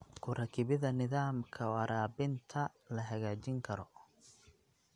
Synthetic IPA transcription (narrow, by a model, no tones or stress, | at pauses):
kʰʊrɐkʰɪβɪðɐnɪðaːmkʰɐɔɐɾaːbɪnt̪ʰɐlɐɦɐɣaːt͡ʃɪŋkʰɐɾɔ